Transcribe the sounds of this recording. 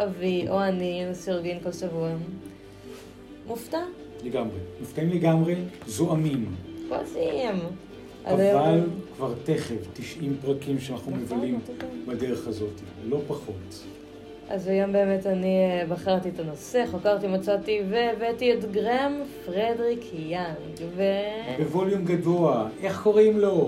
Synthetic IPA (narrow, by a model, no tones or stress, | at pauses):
ʔaviʔoaninsiʁɡinkolʃavua | mufta | leɡamʁemuftaimleɡamʁezoʔamimko̰lsiim | ʔa̰zajovalkvaʁteχevtiʃimpʁakimʃeanaχnumevalimbadeʁeχazo̞tilo̞paχo̞t | a̰zajombe̞ːme̞tanibaχaʁt̪iet̪anoseχokaʁtimat͡sat̪iveːbetietɡʁemfʁedʁikjaŋɡvebevo̞ljumɡadoaʔe̞χko̞ʁimlo̞